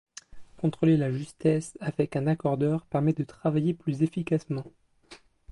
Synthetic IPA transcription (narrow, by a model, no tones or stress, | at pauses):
kɔ̃t̪χolelaʒyst̪ɛsavɛkɛ̃nakɔʁd̪œʁpɛʁmɛd̪ət̪χavajeplyzefikasmɑ̃